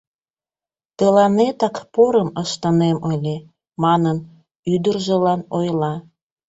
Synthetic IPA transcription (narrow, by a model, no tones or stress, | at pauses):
t̪əlɑnet̪ɑkpoɾəməʃt̪əneməlʲe | mɑnən | yd̪ərʒəlɑnojlɑ